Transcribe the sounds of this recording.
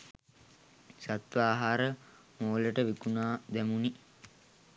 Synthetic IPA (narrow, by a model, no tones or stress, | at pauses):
sat̪ʋaːɦaːɾə | moːləʈəʋikunaːd̪æmuni